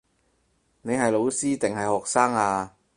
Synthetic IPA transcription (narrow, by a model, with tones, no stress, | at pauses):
ne˨˧jɦɐ˨jlo˨˧wsiː˥t̪ɪ˨ŋɦɐ˨jhɔː˨k̚saː˥ŋaː˧